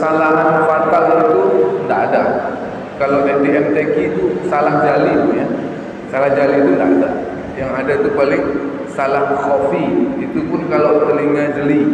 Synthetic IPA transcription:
salaɦafat̪alit̪undaːda | kalawdet̪iɛnt̪ekit̪usalahd͡ʒalɪnja | salahd͡ʒalɪnt̪undaada | jaŋadat̪upalɪŋ | salahsofiit̪upʊnkalawpaəliŋːad͡ʒəli

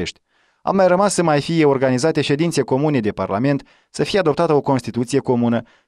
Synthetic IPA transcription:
eʃt̪ʲ | a̰mːajrəmasːəmajfije̞o̞rɡanizat̪e̞ʃe̞d̪int̪se̞ko̞mune̞d̪e̞pa̰rla̰me̞nt̪ | səfijead̪o̞p̚t̪at̪əo̞ko̞nst̪it̪ut̪sije̞ko̞munə

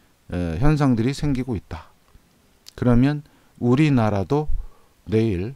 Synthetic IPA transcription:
eçjʌns̬ʰaŋdɯɾisʰe̞ŋɡiɡoit̚t͈a | kɯɾʌmjʌn | uɾinaɾado | ne̞iɭ

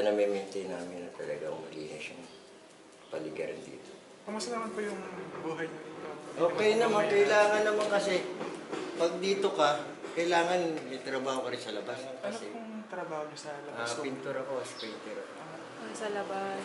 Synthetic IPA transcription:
ɐnɐmɛmɛnt̪ɐjnaːmɪnɐt̪ɐlɐ̰ɡaŋmɐlḭːnɪʃʊŋ | pɐ̰lɪɡɐ̰ɾɪ̰nd̪ḭːt̪o | pɐmɐsɐnɐmɐnpɐjʊŋbuːɦɐjɲɐɐʔoːkɛjnɐmankɐʔɪlaːŋɐnːɐmankɐsɛ | pɐɡ̚d̪iːt̪o̞kɐ | kɐjlaːŋɐnmɐjt̪ɾɐbaːhokɐɾɪnsɐlɐbasnkɐnsɛʊŋt̪ɾɐbaːhoɲɐsɐlɐʔbapɪnt̪uɾɐko̞ɐspɪnt̪ɛɾɐko | sɐlɐbas

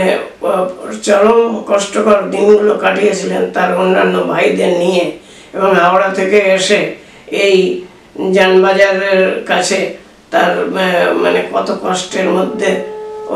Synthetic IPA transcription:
e | t͡ʃɔɾomkɔʃʈokɔɾd̪inɡulokaʈijet͡ɕʰilent̪aɾonːanːobʱajd̪eɾnije | ebɔŋɦawɽat̪ʰekeeʃe | ej | d͡ʑanbad͡ʑaɾeɾkat͡ɕʰe | t̪aɾma̰nekɔt̪okɔsʈeɾmod̪ʱːe

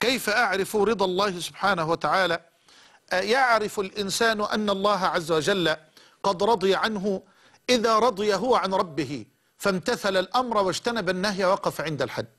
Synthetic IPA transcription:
kajfaʔaʕɾɪfɾɨd̪ˤɑlˤːɑːhɪsʊbħaːnahuwat̪aʕaːla | ʔjaʕɾɪfalʔɪnsaːnʊʔa̰nːalˤːɑːɦaʕazːawad͡ʒalːa | qɑd̪ɾˤɑd̪ˤɨjaʕanɦʊ | ʔɪðaːɾˤɑd̪ˤɨjaɦʊwaʕanɾˤɑbːɪɦɪ | famt̪aθalalʔamɾˤɑwad͡ʒt̪anabanːaɦjawɑqɑfaʕɪnd̪alħad̪ː

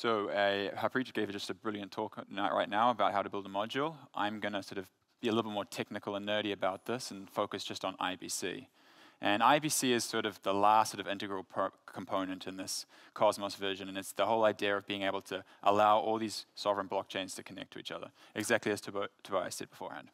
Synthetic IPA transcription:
soʊhəpʰɹ̥it͡ʃəɡeɪvɨd͡ʒʌstɨbɹɪlˠjɨ̃ntʰɔknaʔɹa̰ɪtⁿnaʊəbaʊt̚haʊɾɨbɪlˠdəmɑd͡ʒul̩ˠʔã̰ɪ̃mɡʌnɨsɔɹɾʌv | b̥iɨlɪɾl̩ˠbɪt̚mɔɹtʰɛk̚nɨkl̩ˠə̃nːɜ˞ɾiɨbaʊt̪̚ðɪsn̩foʊkɨsd̥ʒ̥ʌstn̩a̰ɪbḭsḭ | ʔɨ̃naɪbisiɨz̥sɔɹɾʌvðəlæssɔɾʌvɪ̃ntɨɡɹəl̩ˠpʰkʰm̩pʰõʊ̃nɨ̃ntʰɨ̃nðɪs | kʰɑzməsvɜ˞ʒɨ̃nɨ̃nɨtsðəhoʊlˠaɪdiɨɹʌvbiɪ̃ŋeɪbl̩ˠtʰɨ | ʔəlaʊʔɔlˠðiz̥sɑvɹɨ̃nblɑk̚t͡ʃʰẽɪ̃nz̥tʰɨkʰɨnɛ̰k̚tʰɨḭt͡ʃʌ̰ðə̰˞ | ɨɡzæk̚tˡliɨz̥tʰɨtʰəbaɪa̰ɪsɛ̰d̚bəfɔ̰ɹhæ̰̃nd̥

